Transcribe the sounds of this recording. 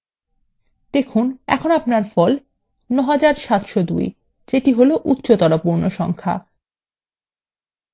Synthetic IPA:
d̪ekʰunɛ̰kʰonapnaɾfɔl | nɔɦad͡ʑaɾʃat̪ʃod̪ṵj | d͡ʑeʈiɦoloʔut̪ːɕot̪ɔɾopuɾnoʃɔ̰ŋkʰa̰

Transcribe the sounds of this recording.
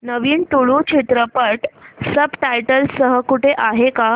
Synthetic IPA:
nəʋiːnʈuɭũt͡ɕʰit̪ɾəpəʈsəbʈajʈəlsəɦəkuʈʰeʔaɦeka

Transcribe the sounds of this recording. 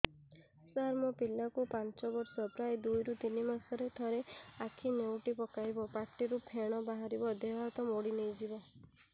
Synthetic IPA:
saɾmɔpilakupant͡ʃɔbɔɾsɔpɾajd̪ujɾut̪inimasɔɾet̪ʰɔɾeakʰinewʈipɔkajbɔpaʈːiɾupʰeɽ̃ɔbaɦaɾibɔd̪ebat̪ɔmoɽinejd͡ʒibɔ

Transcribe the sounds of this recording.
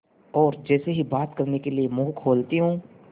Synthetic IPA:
ɔːɾd͡ʒɛːseɦibaːt̪kɐɾnekeliemʊɦkʰoːlt̪iɦũː

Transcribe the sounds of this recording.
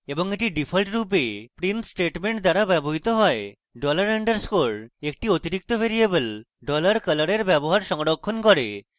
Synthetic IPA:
eboŋeʈiɖipʰolʈɾup̬epɾinsʈeʈmeɳʈd̪aɾabɛboɦit̪oɦɔe | ɖɔlaɾeɳɖəɾskoɽekʈiot̪iɾik̚t̪obʱeɾiebəl | ɖɔlaɾkələɾeɾbɛboɦaɾʃɔŋɽokʰːonkɔɾe

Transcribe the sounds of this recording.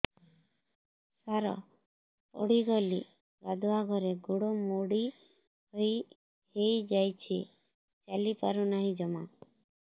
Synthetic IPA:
saɾɔ̰ | po̰ɽiɡɔli | ɡad̪ʱuaɡʱɔɾeɡuɽomoɽi | hoj | hejd͡ʒajt͡ʃʰi | t͡ʃalipa̰ɾunaɦĩd͡ʒɔma̰

